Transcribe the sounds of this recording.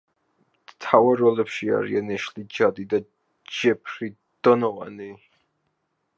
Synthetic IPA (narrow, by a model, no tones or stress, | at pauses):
t̪ʰawaɾɔlɛpʃia̰ɾḭanɛʃlid͡ʒad̪id̪a | d͡ʒɛpʰɾi | d̪̥ɔnɔʁa̰ni